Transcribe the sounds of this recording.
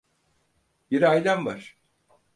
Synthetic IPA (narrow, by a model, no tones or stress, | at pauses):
biɾajlʲanbaʃ